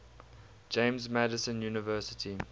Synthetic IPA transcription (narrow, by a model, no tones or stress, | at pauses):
d͡ʒẽɪ̃mzmædəsə̃njuːnəvɜːˑsətʰi